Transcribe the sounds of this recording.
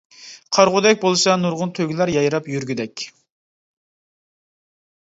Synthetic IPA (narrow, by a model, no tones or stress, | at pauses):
qʰɑɾʁʊd̪ɛk̚ʲbolˠɨsɑnuɾʁʊnt̪ʰøɡʲilæɾjɑjɾɑpjyɾɡʲyd̪ɛkʲ